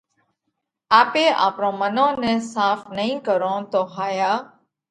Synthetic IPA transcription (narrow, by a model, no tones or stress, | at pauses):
aːpeːʔa̰ːpɾõːmənõːnẽːsaːfnəɦĩːkəɾõːt̪oːɦaːjaː